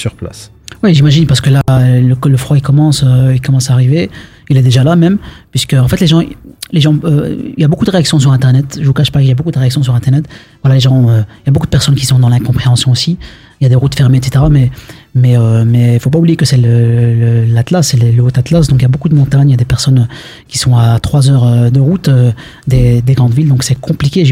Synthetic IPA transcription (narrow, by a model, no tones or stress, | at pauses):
syʁpla̰s | wɛʒimaʒinpaʁsə̥kəlaləkləfχwaikɔmɑ̃søilkɔmɑ̃saːʁive | ilɛd̪eʒalamɛmpɥiskəɑ̃fɛt̪leʒɑ̃leʒɑ̃ø̰iljabokud̪əʁeaksjɔ̃s̬yʁɛ̃t̪ɛʁnɛt̪ʒəvukaʃpakiljabokud̪əʁeaksjɔ̃s̬yʁɛ̃t̪ɛʁnɛt̪vwalaleʒɑ̃øiljabokud̪əpɛʁsɔnkʲi̥sɔ̃d̪ɑ̃lɛ̃kɔ̃pχeɑ̃sjɔ̃osi | iljad̪eʁut̪fɛʁmeɛt̪se̥t̪eʁamɛmɛømɛilfopaublijekəsɛlələlat̪lasːɛlɛləot̪at̪lasd̪ɔ̃kiljabokud̪əmɔ̃t̪aɲljad̪epɛʁsɔnø | kʲi̥sɔ̃at̪χwazœːʁød̪əʁut̪ø | d̪ed̪eɡʁɑ̃d̪vild̪ɔ̃ksɛkʰɔ̃plikʲeʒ